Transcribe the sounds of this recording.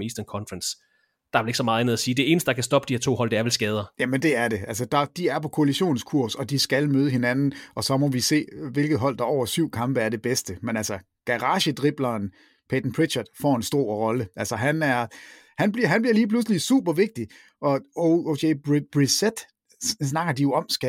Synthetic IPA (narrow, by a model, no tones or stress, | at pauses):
isd̥ɐnkʰɒ̽nfʁɑns | d̥ɑ̈æʋeleɡ̥sɒ̽mɑ̈ːð̩ˠænð̩ˠɐsiːd̥e̝e̝ːnəsd̥əd̥ɑ̈kʰæsd̥ɒ̽b̥d̥iheɐt͡sʰo̝̰ːɒ̽l̰d̥eɐʋelsɡ̥ɛːð̞ˠɐjæmənd̥e̝æɐde̝ælsəd̥ɑ̈d̥iæɐpʰɒ̽kʰo̝æliɕo̝̰ːnskʰuɐ̰sɒ̽d̥isɡ̥ælmøːð̞ˠəɦe̝nænn̩ʔɒ̽sɒ̽mɒ̽ʋise̝̰ːʋe̝lɡ̥ð̞̩ˠɦɒ̽l̰d̥ɑ̈ɒʊ̰ɐsyʊ̰kʰɑ̈mb̥əæɐde̝b̥esd̥əmenælsɐ | ɡ̥æʁɑ̈ːɕəd̥ʁib̥lɐːn | pʰed̥n̩pʰʁid̥ɕɐd̥fɒ̰ːe̝nsd̥o̝ɐ̰ʁɒ̽ləælsɒɦænæɐ | hænbliɐɦænb̥liɐliːpʰlus̬əlisṵːb̥ɐʋe̝ɡ̥̚d̥i | ʔɒ̽ooɕʰeb̥ʁised̥ | snɑ̈ɡ̥ɐd̥ijo̝ɒ̽msɡ̥ɛ